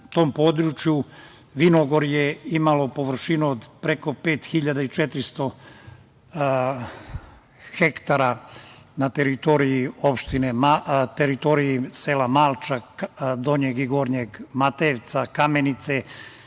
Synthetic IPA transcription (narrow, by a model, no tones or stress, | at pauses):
t̪o̞ːmpoːd̪ɾut͡ʃju | ʋinoɡo̞ɾjeimalo̞po̞ʋr̩ʃinuod̪pɾeko̞pe̞ːt̪xiʎad̪ait͡ʃet̪ɾist̪o̞ | xekt̪aɾanat̪eɾit̪o̞ɾijio̞pʃt̪inemat̪eɾit̪o̞ɾijiseːlamaːlˠt͡ʃad̪oɲeɡiɡoːɾɲeɡmat̪eʋt̪sakamenit̪se